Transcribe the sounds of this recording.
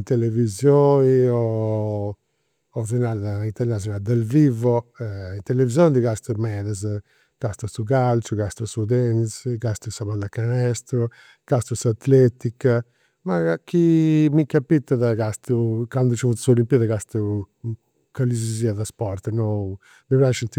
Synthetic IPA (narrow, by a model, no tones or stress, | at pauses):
nt̪elevizjoniɔ | ɔz̬inaðint̪ɛɾnas̬jɔnad̪alvivɔɛint̪elevizjɔnd̪iɡast̪umɛðaz | ɡ̥ast̪usuɡalt͡ʃuɡast̪usud̪ɛnsɡast̪usaβand̪akanɛst̪ɾu | ɡ̥ast̪usat̪lɛt̪ik | makimikapit̪ːaðaɡast̪ukand̪ut͡ʃivut̪suolimpiðaɡast̪u | kaliziziaðaspɔɾt̪nɔ | miβɾaʃint̪